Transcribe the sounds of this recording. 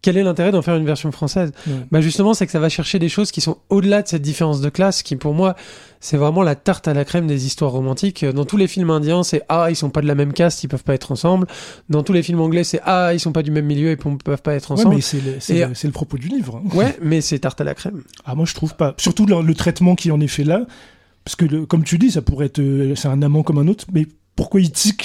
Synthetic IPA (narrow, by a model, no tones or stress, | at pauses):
kʲɛlɛlɛ̃t̪eʁɛd̪ɑ̃fɛʁynvɛʁsjɔ̃fχɑ̃sɛzbaʒyst̪əmɑ̃sɛkə̥savaʃɛʁʃed̪eʃozkʲisɔ̃od̪əlad̪əsɛt̪̚d̪ifeʁɑ̃s̬d̪əklaskʲipuʁmwa | sɛvʁɛmɑ̃lat̪aʁt̪alakχɛmd̪ezist̪waʁːɔmɑ̃t̪ikʰød̪ɑ̃t̪ulefilmɛ̃d̪jɛ̃sɛʔailsɔ̃pad̪əlamɛmkasipœv̥paɛt̪χɑ̃sɑ̃bld̪ɑ̃t̪ulefilmɑ̃ɡlɛsɛʔailsɔ̃pad̪ymɛmːiljøeppœv̥paɛt̪χɑ̃wsɛɑ̃bmɛlsɛləsɛesɛləpχɔpod̪ylivʁɛ̃wɛmɛsɛt̪aʁt̪ala̰kχɛmamwaʒə̥t̪χuvpasyʁt̪ullət̪χɛt̪mɑ̃kʲiɛɑ̃nɛfɛla | paʁskəkɔmt̪yd̪isapuʁɛɛt̪χøsɛɛ̃namɑ̃kɔmɛ̃not̪χmɛ | puʁkwailt̪ik